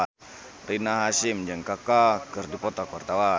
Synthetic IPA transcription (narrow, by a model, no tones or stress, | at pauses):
rinaɦasimd͡ʒɨŋkakakɨrdipɔt̪akuwart̪awa